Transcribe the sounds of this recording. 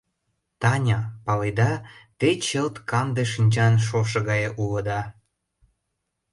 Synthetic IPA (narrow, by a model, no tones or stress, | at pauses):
t̪ɑnʲɑpɑled̪ɑt̪et͡ɕəlt̪kɑmd̪eʃinʲt͡ɕɑnʃ̬oʃɤ̆ɣɑjeʔuləd̪ɑ